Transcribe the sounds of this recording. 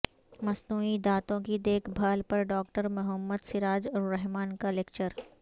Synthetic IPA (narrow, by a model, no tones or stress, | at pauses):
mɐsnuːid̪aːt̪õkid̪eːkʰbʱaːlpɐɾɖɔːkʈəɾmʊɦəmːəd̪sɪɾaːd͡ʒɾɛɦmaːnkaleːk̚t͡ʃəɾ